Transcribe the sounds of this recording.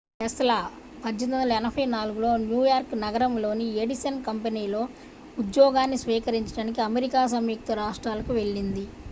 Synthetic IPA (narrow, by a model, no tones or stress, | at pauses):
ɦɛst̪ɐlɐ | pɐd͡ʒɐnɐnd̪ɐlɛnɐbʱɐjnaːluɡulo̞ːnjuːjaːɾknɐɡɐɾɐmlo̞ːnieɽisɐnkɐmpeniːlo̞ː | ud̪jɔːɡaːnːisʋiːkɐɾiɲt͡ʃɐ̥ɽaːnikiɐmeɾikaːs̬ɐmjuk̚t̪ɐɾaːʂʈɾaːlɐkuʋe̞ɭːind̪i